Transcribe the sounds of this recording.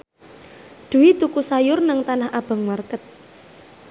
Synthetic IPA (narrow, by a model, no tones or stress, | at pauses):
d̪̥ṳwit̪ukusajʊrnaŋt̪anahʔab̥a̤ŋmarkət̪̚